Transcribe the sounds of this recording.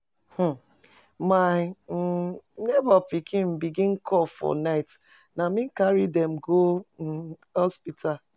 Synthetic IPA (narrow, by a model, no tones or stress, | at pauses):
h̩ | ma | nɛbapikʰĩm̩biɡĩnkʰɔfɔ̰naɪt | namĩŋ̩kaɾidɛmɡo | hɔspitʰal